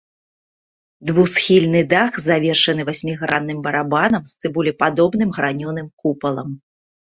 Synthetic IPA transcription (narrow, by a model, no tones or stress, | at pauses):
d̪vusxʲilʲnɨd̪axzavʲɛrʂɐn̪ɨvasʲmʲiɣɾanːɨmbɐɾabanɐmst̪sɨbulʲipad̪ɔbn̪ɨmɣɾanʲɔnɨmkupɐlˠɐm